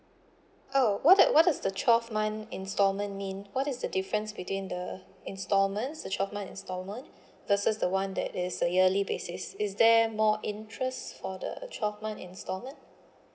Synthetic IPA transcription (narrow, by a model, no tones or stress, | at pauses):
ʔowɔt̚dwɔt̚dasdət͡ʃʰɔfmãnɪ̃nstɔlmə̃nmĩnwɔtɪsdədifɹə̃nsbitwĩndə | ɪ̃nstɔlmə̃nsdət͡ʃʰɔfmãnɪ̰̃nstɔlmə̃n | vəsəsdəwãndɛ̰tɪsəəlibesɪsɪsdɛmɔʔɪ̃ntʰɹɛstfɔdə̰t͡ʃʰɔfmãnɪ̰̃nstɔlmə̃nt